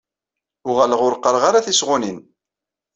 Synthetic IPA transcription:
ʊʁæləʁʊɾqːəɾˤʁaɾaθisʁʊnin

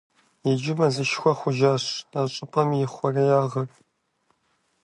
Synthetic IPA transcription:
jɪd͡ʒɪmɐzɨʃxʷɔχʷʊʒaːɕaːɕʼɪpʼɐmjɪχʷɔrɐjaːʁɐr

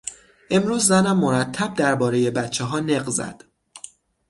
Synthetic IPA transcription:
ʔe̞mɾuːzːænæmːo̞ɾæt̪ʰːæb̚d̪æɾbɒːɾe̞je̞bæt̪t͡ʃʰeɦɒːneɢzæ̰d̪̥

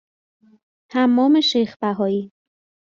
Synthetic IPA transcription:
hæmːɒːme̞ʃejxbæɦɒːiː

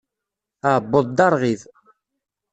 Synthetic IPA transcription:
aʕbːoðˤd̪ɑɾˤʁið

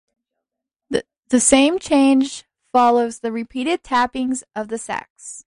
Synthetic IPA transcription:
ðɨsẽɪ̃mt͡ʃʰẽɪ̃nd͡ʒ̥ | fɑlˠoʊzðɨɹɨpʰiɾɨd̚tʰæpɪ̃ŋzʌvðɨsɛ̰ks

